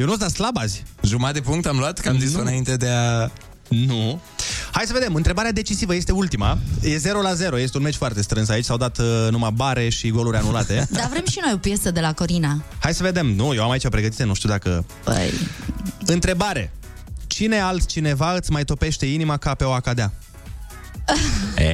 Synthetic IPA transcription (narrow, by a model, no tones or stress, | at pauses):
jewnusd̪at̪slabazʲʒumat̪d̪epuŋk̚t̪amluat̪kamzisɨnaint̪e̞d̪ea | nu | hajsəve̞d̪emɨnt̪ɾe̞baɾead̪e̞t͡ʃisivəje̞st̪eult̪imajeze̞ɾo̞laze̞ɾo̞jest̪e̞unme̞t͡ʃʲfoart̪e̞st̪ɾɨnsait͡ʃʲsawd̪at̪numabaɾe̞ʃiɡo̞luɾʲanulat̪e̞d̪avɾe̞mʃino̞jo̞pje̞səd̪e̞lako̞ɾinahajsəve̞d̪e̞mnujewamait͡ʃapɾe̞ɡət̪̬it̪enuʃt̪iud̪akə̰ | b̥ə̰j | ɨnt̪ɾe̞baɾe | t͡ʃine̞alt̪t͡ʃine̞vaɨt̪sʲmajt̪o̞pe̞ʃt̪e̞inimakape̞oakad̪ea | e